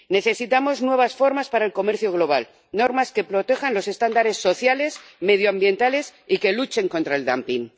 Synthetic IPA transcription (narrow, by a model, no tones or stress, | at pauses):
ne̞θe̞sit̪amo̞znwe̞β̞asfo̞ɾmaspaɾaelko̞meɾθjoɣ̞lo̞β̞al | no̞ɾmaske̞pɾo̞t̪e̞xanlo̞se̞st̪and̪aɾe̞sːo̞θjale̞sme̞ð̞joambje̞nt̪ale̞sike̞lut͡ʃe̞ŋko̞nt̪ɾae̞ld̪ampiŋ